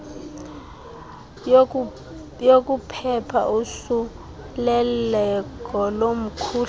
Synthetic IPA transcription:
jok̬ʼupʰɛpʰa̰ʔusu | lɛlɛkʼɔlom̩kʰuː

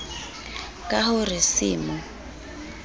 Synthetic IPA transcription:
kʼahʊrɪsɪːmʊ

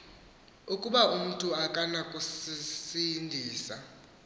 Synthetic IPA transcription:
ukʼuɓaum̩tʼuakʼanakʼusisindʱiːsa̰

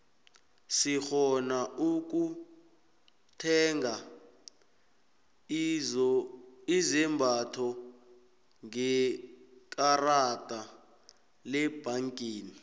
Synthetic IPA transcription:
sixɔnauk̬ʼu | tʰɛŋɡa | izɛmbʱatʰɔ | ŋɛ | kʼaratʼa | lɛb̥aŋkʼiːni

